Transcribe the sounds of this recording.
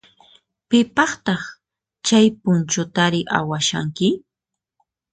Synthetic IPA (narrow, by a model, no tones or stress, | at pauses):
pɪpɑχt̪ɑχ | t͡ʃajpʊnt͡ʃʊt̪aɾɪʔa̰waʃa̰ŋkɪ